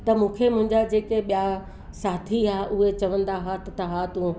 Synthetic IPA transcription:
t̪ɐmũːkʰemʊ̃ɦɪ̃ɲd͡ʑad͡ʑeːkeɓija | saːt̪ʰiaːʔʊɦet͡ɕɐʋə̃nd̪aɦaːt̪t̪ɐɦaːt̪ũ

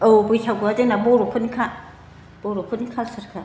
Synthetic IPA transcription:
obujtʰaɡuadenaboɾopʰunikʰa | b̥oɾopʰunikʰalsaɾkʰa

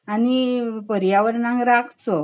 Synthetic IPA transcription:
anipəɾjaʋəɾnãŋɡɾakʰt͡sɔ

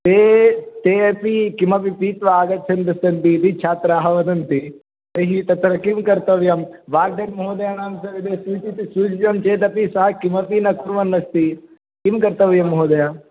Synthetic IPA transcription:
t̪eːt̪eːɐpikimɐpipiːt̪ʋaːɡɐt̪̚t͡ʃʰɐnd̪ɐst̪ɐnt̪it̪it͡ʃʰaːt̪ɾaːɦɐʋɐd̪ɐnt̪i | ɐɾiɦit̪ɐt̪ɾɐkimkɐɾt̪ɐʋjɐm | ʋaːɾ̚d̪ɐɾmɦoːd̪ɐjanaːnsɐɾid̪esuːt͡ʃ̪it̪isuːt͡ʃid͡ʒɐmt͡ʃeːt̪ɐpisɐɦɐkimɐpinɐkuɾʋɐnːɐst̪i | kimkɐɾt̪ɐʋjɐmːɦoːd̪ɐjaː

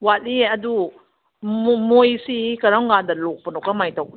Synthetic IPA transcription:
wat̚iɐdu | mojsikaɾaŋɡandalok̚pənɔkamajtawk̚

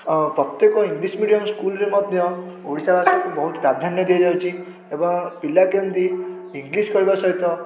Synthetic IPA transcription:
pɾɔt̪jɔkɔiŋɡlismiɽijɔmskulɾemɔt̪d̪jɔ̃oɽisabaskubɔɦut̪pɾad̪ʱanjɔd̪ʱijɔd͡ʒawt͡ʃʰi | ebɔŋpilakemd̪i | iŋɡliskɔɦibasɔɦit̪ɔ

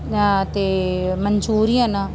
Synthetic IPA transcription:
t̪eːməɲt͡ʃuːɾijãːnãː

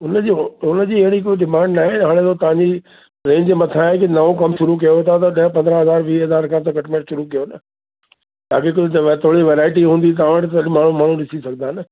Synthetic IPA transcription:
ʊnəd͡ʑiʊnəd͡ʑiːɐɦɪɽ̃ik̬oːiɗɪmãːɳɖnaːɦeɦaːɽ̃ẽt̪ot̪ɐʋ̤ãɲd͡ʑi | ɾẽːɲd͡ʑemɐt̪ʰaɦẽk̬ɪnɐʋõkɐmʃʊɾuk̬ɐjot̪ʰat̪̬ɐɗɐɦə̃pɐ̃nd̪ɾəɦɐzaːɾʋiːɦɐzaːɾkʰãt̪ɐkɐʈmẽːʈʃʊɾukijonə | ta̰ːkek̬ʊd͡ʑɐʋet̪ʰoːɽiʋeːɾaːɪʈ̬iɦũːnd̪it̪̬ɐːʋəʈt̪ɐmaːɳ̤ũmaːɳ̤ũɗɪsisɐɡ̚d̪ãːɦnə

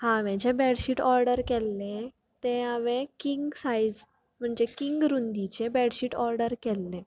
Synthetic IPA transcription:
hãʋɛ̃d͡ʑebɛɽɕiːʈɔɾɖəɾkɛlːe | t̪eaʋẽkiŋɡsaid͡z | m̤əɳd͡ʑekiŋɡɾund̪it͡ɕebɛɽɕiːʈɔɾɖəɾkɛlːe

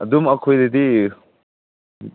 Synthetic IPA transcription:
ɐdumɐkʰojdedi

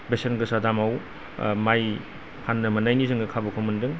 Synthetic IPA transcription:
besenɡɯsadamaw | maj | pʰanːɐmɐnajnizɯŋɡɯkʰabɐkʰomɯndɯŋ

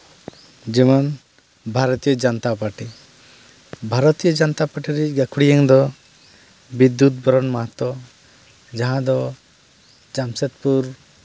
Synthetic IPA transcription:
d͡ʒɛman | bʱaɾɔt̪ijɔd͡ʒɔnt̪apaɾʈi | bʱaɾɔt̪ijɔd͡ʒɔnt̪apaɾʈiɾɛɡakʰuɽijɛŋd̪ɔ | bid̪jut̪̚bɔɾɔnmaɦat̪ɔ | d͡ʒaɦãd̪ɔ | d͡ʒamset̪̚puɾ

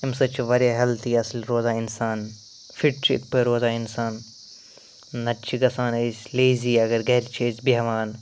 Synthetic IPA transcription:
imsɐt͡ʃʰʋɐɾjaːɦɐlt̪ʰiːɐslɾoːzaːɪnsaːn | fiʈt͡ʃʰɪ̰t̪̚ʰpʰɐjɾoːzaːɪnsaːn | ɐtːt͡ʃʰiɡɐsaːnesleːziːɐɡɐɾɡɐɾt͡ʃʰesbiɦɐʋaːn

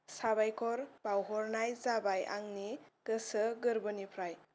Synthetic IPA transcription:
sabajkʰɔɾb̥awɦɔɾnajzabajʔa̰ŋniɡ̥ɯsɯɡɯɾbɯnipʰɾaj

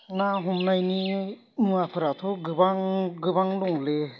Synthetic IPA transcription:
naɦɔmnajni | mɯapʰɯɾatʰɔɡɯbaŋɡɯbaŋdɔŋle

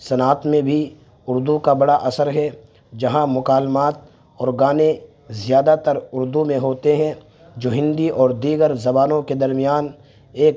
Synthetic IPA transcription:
sɐnaːt̪mẽbʱi | ʊɾd̪ukabɐɽaʔɐsəɾɦɛ | d͡ʒɐɦãmʊkaːlmaːt̪̚ | ɔːɾɡaːne | zɪjaːd̪at̪əɾʊɾd̪umẽɦoːt̪eɦɛ̃ | d͡ʒoːɦɪ̃nd̪iʔɔːɾd̪iːɡəɾzɐbaːnõked̪ɐɾmɪjaːn | eːk

